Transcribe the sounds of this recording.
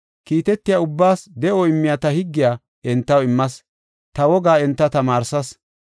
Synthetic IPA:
kiːt̪ɛt̪ːɪjaːʊbːaːsd̪ɛʔoɪmːɪjaːt̪ɐhɪɡːɪjaː | ʔɛnt̪ːɐwɪmːɐs | t̪ɐwɔɡaːɛnt̪ːɐt̪ɐmaːɾsɐs

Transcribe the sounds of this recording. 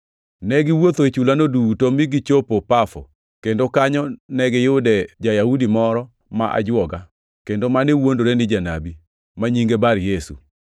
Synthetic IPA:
nɛɡɪwot̪oet͡ʃulanodutomɪɡɪt͡ʃopopafɔ̰ | kendokaɲɔnɛɡɪjʊdɛd͡ʒajahudimɔɾɔ | ma̰ʔa̰d͡ʒwɔɡa | kendomanewondoɾenɪd͡ʒanabi | maɲiŋɡebaɾjesṵ

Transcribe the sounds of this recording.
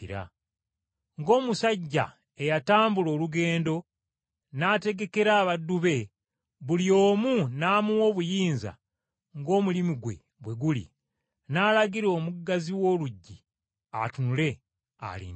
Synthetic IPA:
ɾa̰ | ŋɡo̞ːmusaɟːa̰ | e̞jataːmbulo̞ːluɡe̞ːndo̞ | naːte̞ɡe̞ke̞ɾaːβadːuβe̞ | βulio̞ːmunaːmuwo̞ːβujiːnza̰ | ŋɡo̞ːmulimiɡwe̞̰ | bwe̞ɡulḭ | naːlaɡiɾo̞ːmuɡaziwo̞ːluɟːi | a̰tunule̞ | a̰lḭn

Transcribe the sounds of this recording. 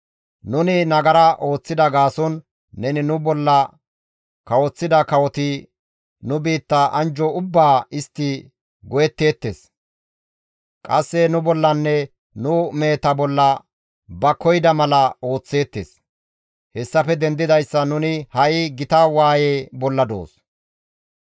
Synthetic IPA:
nʊnɪnɐɡɐɾɐʔo̞ːt͡sːɪd̪ɐɡaːsɔnː | ɛnɪnʊbɔlːɐ | kɐwɔt͡sːɪd̪ɐkɐwɔt̪ɪ | nʊbiːt̪ːɐʔɐnd͡ʒɔʊbːaːɪst̪ːɪ | ɡɔjɛt̪ːe̞ːt̪ːeːs | kʼɐsːɛnʊbɔlːɐnːɛ | nʊmeːt̪ɐbɔlːɐ | bɐkɔjɪd̪ɐmɐlɐo̞ːt͡sːe̞ːt̪ːḛːs | hɛsːɐfɛd̪ɛnd̪ɪd̪ɐjsːɐnʊnɪhɐʔɪɡɪt̪awaːjeːbɔlːɐd̪o̞̰ːs

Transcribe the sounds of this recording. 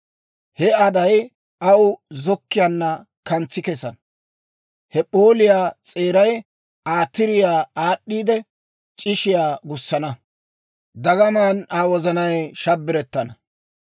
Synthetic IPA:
hɛɐd̪ɐj | ʔɐwzɔkːɪjanːɐ | kɐnt͡sːɪkɛsɐnɐ | hɛpʼo̞ːlɪjaːt͡sʼe̞ːɾɐj | aːt̪ːɪɾɪjaːaːɗːiːd̪ɛ | t͡ʃʼɪʃɪjaːɡʊsːɐnɐ | d̪ɐɡɐmaːnaːwɔzɐnɐjʃɐbːɪɾɛt̪ːɐnɐ

